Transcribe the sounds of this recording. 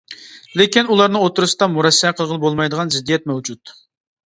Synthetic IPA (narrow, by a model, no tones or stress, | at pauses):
lekʲinulˠɑɾnɨŋot̪uɾɨsɨd̪ɑmuɾɛsːɛqʰəlˠʁəlˠəbolˠmɑjd̪əʁɑnzɪd̪ːijɛt̪̚mɛwd͡ʒut̪